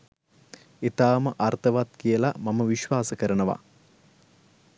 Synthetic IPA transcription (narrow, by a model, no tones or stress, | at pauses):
et̪aːməʔart̪əʋat̪kijəlamaməʋiʃʋaːsəkəɾənəʋa̰